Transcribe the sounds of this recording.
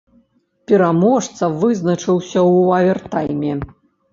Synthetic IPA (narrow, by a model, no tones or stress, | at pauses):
pʲɛɾamɔʂt̪sɐvɨznɐt͡ʂɨwsʲɐwavʲɛrt̪ajmʲɛ